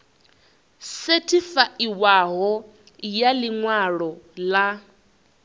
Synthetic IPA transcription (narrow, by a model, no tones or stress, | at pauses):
setʰifaʔiwaɦɔ | jaliŋwaɺɔla